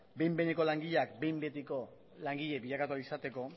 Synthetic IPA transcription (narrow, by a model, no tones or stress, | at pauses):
be̞jmbe̞neko̞laŋɡiʎeakbe̞jmbe̞t̪iko̞ | laŋɡiʎe̞biʎakat̪uaisat̪e̞ko̞